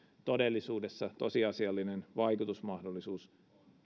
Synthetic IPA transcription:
t̪odelːisuːdesːɑt̪o̞siɑsiɑlːinenʋɑikut̪usmɑhdolːisuːs

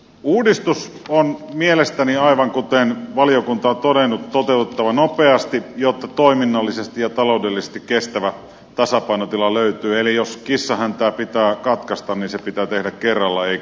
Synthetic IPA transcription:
uːdist̪us | onmielest̪æniɑiʋɑŋkut̪enʋɑliokunt̪ɑt̪odenːut̪t̪ot̪eˑut̪et̪ːɑʋɑnopeɑst̪ijot̪ːɑt̪oiminːɑlːisest̪ijjɑt̪ɑloˑudelːise̥st̪ikkest̪æʋæ | t̪ɑsɑpɑˑinot̪ilɑløˑyt̪yːelijoskisːɑhænt̪æːpit̪æːkɑt̪kɑst̪ɑnninsepit̪æːt̪ehdækkerːɑlːɑei

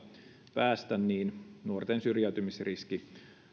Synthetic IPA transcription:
pæːst̪ænːiːnnuort̪ensyrjæyt̪ymisriski

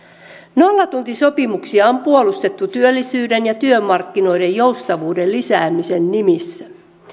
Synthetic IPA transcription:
no̞lːɑt̪unt̪iso̞pimuksiɑompuolust̪e̞t̪ːut̪yølːisyːde̞njɑt̪yømɑrkːino̞jde̞jjo̞wst̪ɑʋuːde̞llisæːmise̞nːimisːæ

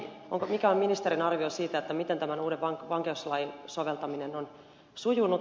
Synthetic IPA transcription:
o̰ŋkomikæomminist̪eɾinɑrʋiosiːt̪æet̪ːæmit̪ent̪æmænuːdeʋʋɑŋkʋɑŋkeuslɑjnsoʋelt̪ɑminenon | sujunːut̪

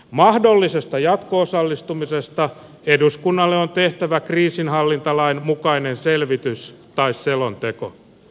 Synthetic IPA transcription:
mɑhdo̞lːise̞st̪ɑjɑt̪koosɑlːist̪umise̞st̪ɑ | eduskunːɑlːeont̪e̞ht̪æʋækriːsinɦɑlːint̪ɑlɑinmukɑinenselʋit̪yst̪ɑisselo̞nt̪eko̞̰

